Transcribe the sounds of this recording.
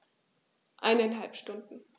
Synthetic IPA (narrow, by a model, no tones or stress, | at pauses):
ʔaɪnaɪnɦalpʃtʊndn̩